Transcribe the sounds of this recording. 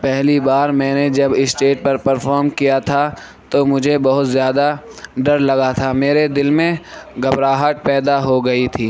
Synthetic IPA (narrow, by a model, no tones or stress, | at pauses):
pɛɦlibaːɾmɛ̃ːned͡ʒɐbɪsʈeːʈ̚pɐɾpɐɾfʰɔːɾmkijat̪ʰa | t̪omʊd͡ʒʱebɐɦʊt̪zjaːd̪a | ɖɐɾlɐɡat̪ʰameːɾed̪ɪlmẽɡɐbɾaːɦaʈ̚pɛːd̪aɦoɡɐit̪ʰiː